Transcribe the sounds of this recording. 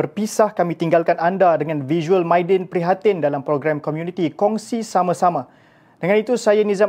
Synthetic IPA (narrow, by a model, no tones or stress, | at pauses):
ərpisahkamĩt̪iŋɡalkanandadəŋãnviʒuəlmajdɛnpɾiɦat̪ɪndalampɾoɡɾamkɔmjunit̪ikɔŋsisamãsamã | d̥əŋãnit̪usajanizam